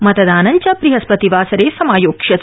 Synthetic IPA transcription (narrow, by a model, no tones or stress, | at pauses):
mɐt̪ɐd̪aːnɐɲt͡ʃɐpɾiɦɐspɐt̪iʋaːsɐɾeːsɐmaːjoːkʂɐt̪